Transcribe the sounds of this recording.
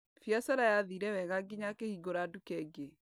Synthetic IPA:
fjasaɾajaðiɾɛwɛɣaɡiɲakehiɡoɾadukɛɡe

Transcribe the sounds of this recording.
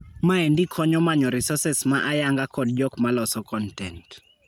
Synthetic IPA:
maɛndikʰɔɲɔmaɲɔɾisɔsɛsmaʔajaŋɡakɔd̚d͡ʒɔkmalɔsɔkɔntɛnt

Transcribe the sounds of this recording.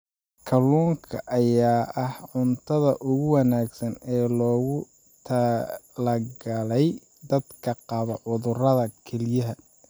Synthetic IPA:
kʰɐlːuːŋkʰɐ̰ʔɐjaːʔɐhʕʊnt̪ʰɐðɐʔʊɣʊwɑnaːɡsɐnɛːlɔːɣʊ | t̪ʰɐlɐɡɐlɛj | d̪ɐd̪kʰɐqɑβɐʕʊðʊrɐðɐkʰɛlɪjɐɦɐ

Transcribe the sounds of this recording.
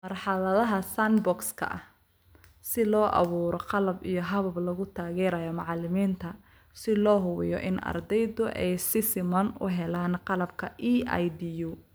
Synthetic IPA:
mɐrħɑlɐðɐɦɐsanbɔkskʰɐ̰ʔɐ̰h | sɪlɔːʔɑ̰βuːɾɔqɑlɐbijɔɦɐβɐblɐɣʊt̪ʰaːɣɛːɾɐjɔmɑʕɑlɪmiːnt̪ʰɐ | sɪlɔːɦʊβɪjɔ̰ʔɪ̰nɐ̰rd̪ɛjðʊʔɛjsɪsɪmɐnʊ̰ɦɛlaːnqɑlɐb̚kʰɐʔiːa̰jd̪ijuː

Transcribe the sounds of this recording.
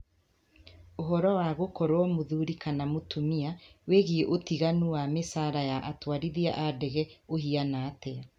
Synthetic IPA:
oɦɔɾɔwaɣokɔɾwɔmoðuɾikanamotʰumiaweɣeeʔotiɣanuwamesaːɾajaʔatwaɾiðia̰ʔadɛɣɛohianaːtɛa

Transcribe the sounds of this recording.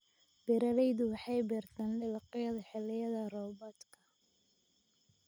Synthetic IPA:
b̥ɪɾɐlɛjðʊwɑħɑjbɪrt̪ʰaːnlɪlqɪjɐðɐħɪlɪjɐðɐrɔːbɔt̪kʰɐ

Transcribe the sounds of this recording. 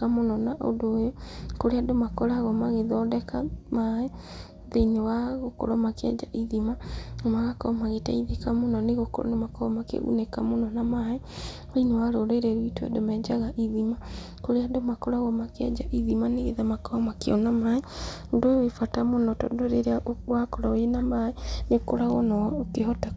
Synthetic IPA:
amonɔnaʔo̰doekoɾeadomakɔɾaɣɔmaɣeðɔdɛkamaɛ | ðeinewaɣoko̰ɾɔmakɛ̰d͡ʒaʔiðimamaɣakɔmaɣeta̰iðekamonɔneɣokoɾɔ̰nemakɔɔmakḛṵnekamonɔnamaɛ | wainewaɾoɾeɾɛɾwitwḛdomɛd͡ʒaɣaʔiðima | koɾeadomakoɾaɣɔmakɛd͡ʒaʔiðimaneɣeðamakɔmakeɔnamaɛudowefatamonɔtɔ̰doɾeɾeawakɔɾɔenamaɛnekoɾaɣɔnɔokehɔta

